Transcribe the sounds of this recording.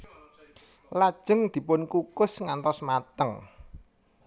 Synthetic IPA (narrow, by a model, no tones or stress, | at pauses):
lad̥ʒ̥ə̤ŋd̪̥i̤pʊnkukʊsŋant̪ɔsmat̪əŋ